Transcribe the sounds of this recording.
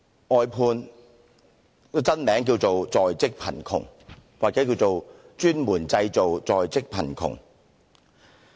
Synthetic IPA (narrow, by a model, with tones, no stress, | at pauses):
ʔɔː˧jpʰuː˧n˧ | t͡sɐ˥nmɛː˨˥ŋk̬iː˧wt͡so˨wt͡sɔː˨jt͡sɪ˥k̚pʰɐ̰˨˩nkʰʊ̰˨˩ŋwaː˨k̚t͡sɛː˨˥ki˧wt͡so˨w | t͡ʃyː˥nmuː˨˩nt͡sɐ˧jt͡so˨wt͡sɔː˨jt͡sɪ˥k̚pʰɐ̰˨˩nkʰʊ̰˨˩ŋ